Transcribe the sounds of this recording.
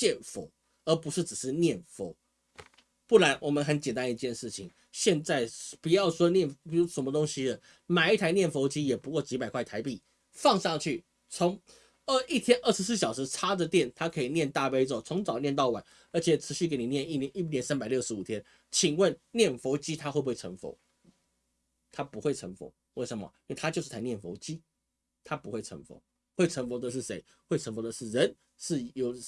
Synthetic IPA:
t͡ɕjɛ˥˨nfo˧˥ʊ | ə˧˥pu˧˥ʂɻ̩˥˩ʈ͡ʂɻ̩˨˩ʂɻ̩˥˧njɛ˥˩nfo˧˥ʊ | pu˥˩la˧˥nwʔɔ˨˩mə˦nxə˧˥nt͡ɕjɛ˨˩nt̪a˥n˧i˧t͡ɕjɛ˥˧nʂɻ̩˥˩t͡ɕʰḭ˨˦ŋ | ɕjɛ˥˧nt͡sa˥˩ɪpu˨˩jɑ˥˩ʊʂwɔ˥njɛ˥˩npi˨˩ɻu˧˥ʂə˧˥mə˧o˥ŋɕi˥ə˨ | ma˨˩ɪi˥˩t̪ʰa˧˥ɪnjɛ˥˩nfo˧˥ʊt͡ɕi˥jɛ˨˩pu˧˥kwɔ˥˩t͡ɕi˧˥pa˨˩ɪkʰwa˥˩ɪt̪ʰa˧˥ɪpi˥˩ | fɑ˥˧ŋʂɑ˥˧ŋt͡ɕʰy˥˩ | t͡sʰʊ˧˥ŋ | ə˥˧i˥˩t̪ʰjɛ˥nʔə˞˥˩ʂɻ̩˧˥s̬ɹ̩˥˩ɕjɑ˨˩ʊʂɻ̩˧˥ʈ͡ʂʰa˥də˨t̪jɛ˥˩nt̪ʰa˥kʰə˧˥i˨˩njɛ˥˧nt̪a˥˧pe˥ɪt͡so˥˨˩t͡sʰʊ˧˥ŋt͡sɑ˨˩ʊnjɛ˥˧nt̪ɑ˥˩ʊwa˨˩˦n | ə˞˧˥t͡ɕʰɛ˨˩ʈ͡ʂʰɻ̩˧˥ɕy˥˩ke˧˥ɪni˨˩njɛ˥˧ni˥˩nɛ˧˦ni˥˩njɛ˧˥nsa˥npa˨ɪljo˥˩ʊʂɻ̩˧˥u˨˩t̪ʰjɛ˥n | t͡ɕʰi˨˩ŋwə˥˨nnjɛ˥˩nfo˧˥t͡ɕi˦˥t̪ʰa˥xwe˥˧bwe˥˩ə˧˥ŋfo̰˧˥˦ʊ | t̪ʰa˥pu˧˥xwe˥˩ɪʈ͡ʂʰə̰˧˥ŋfo̰˧˥ʊ | we˥˩ɪʂə˨˩mɐ̰i˥we˥˩t̪ʰa˥t͡ɕjo˥˧ʊʂɻ̩ʰ˥˩a˥˧njɛ˥˩nfo˧˥ʊt͡ɕi˥ | t̪ʰa˥pu˧˥xe˥˩ɪʈ͡ʂʰə̰˧˥ŋfo̰˧˥˦ | xwe˥˩ɪʈ͡ʂʰə˧˥ŋfo˧˥ʊd̪ə˨ʂ̬ɻ̩˥˩ʂe˧˥ɪ | xwe˥˩ɪt͡sʰə˧˥ŋfo˧˥d̪ə˨ʂɻ̩˥˩ɻə˧˦n | ʂɻ̩˥˩jo˨˩ʊ

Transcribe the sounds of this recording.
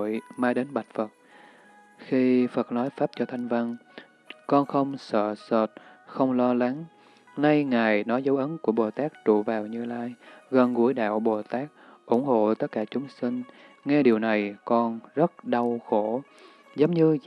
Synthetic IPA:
jmaː˧jɗe˨˦nɓa˨˩t̚fə˨˩t̚ | xi˧fə˨˩t̚nɔ˨˦jfaː˦˥p̚t͡ɕɔ˧t̪ʰa˧jŋ̟va˧n | kɔ˧nxə˧wŋ͡msə̰ː˧˨sə˨˩t̚xə˧wŋ͡mlɔ˧la˨˦ŋ | na˧jŋaː˨˩jnɔ˨˦jzə˨˦wʔə˨˦nku˧˩əɓo˨˩t̪aː˦˥k̚t͡ɕṵ˧˨vaː˨˩wɲɨ˧laː˧jɣə˨˩nɣu˧˩əjɗa̰ː˧˨wɓo˨˩t̪aː˦˥k̚ | ʔʊ˧˩ŋ͡mho̰˧˨t̪ə˦˥t̚kːaː˧˩t͡ɕʊ˨˦ŋ͡msi˧ŋ̟ | ŋɛ˧ɗi˨˩əwna˨˩jkɔ˧nzə˦˥t̚ɗa˧wxo˧˩ | zə˨˦wŋ͡mɲɨ˧

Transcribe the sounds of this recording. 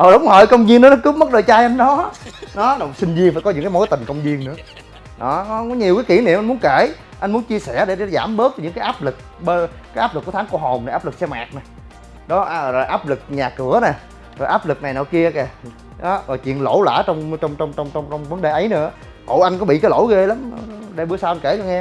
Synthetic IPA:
ʔəː˨˩ɗə˨˦wŋ͡mhɔ˧˩jkə˧wŋ͡mzi˧nɨ̰˨˦nɔ˨˦kɨ˦˥pmə˦˥t̚ɗəː˧˩jt͡ɕaː˧jʔa˧jnɗɔ˨˦nɔ˨˦ɗɔ˨˩sï˧ŋ̟zi˧əŋfaː˧˥jkɔ˨˦ɲɨ̰˧˥ŋkaː˨˦mo˨˦jt̪ï˨˩ŋ̟kə˧wŋ͡mzi˧ənnɨ̰˧˥ə | ɗɔ˨˦kɔ˨˦kɔ˨˦ɲi˨˩əwkaː˨˦jki˧˩ənḭ˧˨mʔa˧nmu˨˦ənke˧˩ | ʔa˧nmu˨˦ənt͡ɕi˧əsɛ˧˩ɗe˧˩ɗzaː˧˩mɓɨ˦˥k̚ɲɨ̰˧˥ŋkaː˨˦jʔaː˦˥p̚lɨ˨˩k̚ | ɓe˧ | kaː˦ʔaː˦˥p̚lkːət̪ʰa˨˦ŋku˧˩əɦo˨˩m˨˩ʔaː˦˥p̚lɨ˨˩k̚sɛ˧ma̰ː˨˩k̚nɛ˨˩j | ɗɔ˨˦ʔɔ˨˩ʔaː˦˥p̚lɨ˨˩k̚ɲaː˨˩kɨ˧˩˦ənɛ˨˩ | zo˨˩jʔaː˦˥p̚lɨ˨˩k̚na˨˩jnɔ̰˧˨jki˧əkɛ˨˩˨ | ɗɔ˨˦vaː˨˩t͡ɕwḭ˧˨ənlo̰˧˩˥la̰ː˧˩˥t͡ɕɔ˧wŋ͡mt͡ɕɔ˧wŋ͡mt͡ɕɔ˧wŋ͡mt͡ɕɔ˧wŋ͡mɔ˧wŋ͡mɔ˧wŋ͡mvə˨˦nɗe˨˩ʔə˨˦jnɨ̰˧˥ə | t̪o̰˧˨˦jʔa˧jŋ̟kɔ˨˦ɓḭ˧˨kaː˨˦lo̰˧˥˦jɣe˧la˨˦m˨ɗjɓɨ˧əsaː˧wʔa˧nke˧˩kɔ˧˦ŋɛ˧

